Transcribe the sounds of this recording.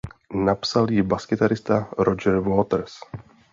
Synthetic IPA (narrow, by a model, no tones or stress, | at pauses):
napsaljɪbaskɪt̪aɾɪst̪aɾod͡ʒɛɾvoːt̪ɾs